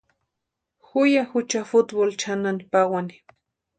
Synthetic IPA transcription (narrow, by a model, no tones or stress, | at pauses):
xʊjaxʊt͡ʃafʊt̪bolt͡ʃananipawani̥